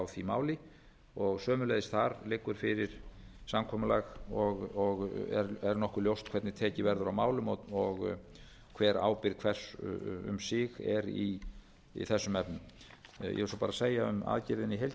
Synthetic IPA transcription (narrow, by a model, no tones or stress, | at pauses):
awθimaːwlɪ | ɔɣsœːmʏlɛjðɪst̪θaɾlɪːkːʏɾ̥fɪɾɪɾ̥samkʰɔːmʏlaɣɔɣɔɣɛ̰ɾɛɾnɔhkʏljowst̪kʰvɛɾt̪nɪt̪ʰɛːcɪvɛɾðʏɾawmaːwlʏmɔɔɣ | kʰvɛːɾa̰ːwpɪɾkʰvɛr̥sʏ̰msɪɣɛɾi | ḭθɛsːʏmɛpnʏmjʔɛ̰ɪlsɔpaɾaseːjaʏ̰ma̰ːðcɪɾðɪniɦejl